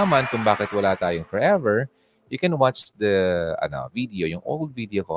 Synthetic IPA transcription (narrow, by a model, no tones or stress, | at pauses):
ɐmankʊŋbaːkɛt̪wɐlaːt̪aːjoŋfɔɹʔɛvɛɹ | jʊkɛ̃nwat͡ʃd̪ɐʔɐ̰no̰vid̪ɛojʊŋʔo̰wld̪̚vid̪ɛoko